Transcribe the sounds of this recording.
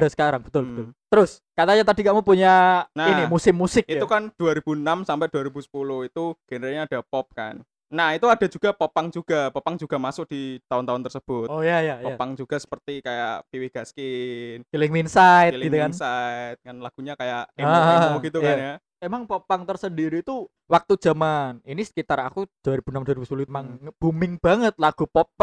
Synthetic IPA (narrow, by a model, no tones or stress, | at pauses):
dasə̥kaɾaŋbə̥t̪ʊlbət̪ʊlt̪əɾʊs | kat̪aɲat̪adiɡaʔmupuɲanainimusɪmːusɪk̚it̪ukand̥uaɾib̥unamsampɛd̥uaɾibusə̥pulʊhit̪uɡ̥ənəɾaɲaːd̥a̤pɔp̚ka̰nː | ahit̪uad̥a̤d͡ʒuɡ̥a̤pɔpaŋd͡ʒuɡ̥apɔpaŋd͡ʒuɡ̥a̤masʊk̚d̥it̪aʊnt̪aʊnt̪ərsəb̥ʊt̪ojajajɔapaŋd͡ʒuɡ̥a̤sə̥pərt̪ikajaʔpiwɪhɡ̥askɪnkilɪŋinsaɪt̪lɡit̪ukansajt̪̚ŋanlaɡ̥uɲakajaʔeamuɡ̥it̪ukanja | emaŋpopaŋt̪ərsəndiɾiːt̪u | wak̚t̪u̥d͡ʒ̥a̤maninisə̥kit̪aɾakud̥aɾib̥unamdaɾibusəpulumaŋb̥umɪŋb̥aŋət̪̚laɡ̥upɔp̚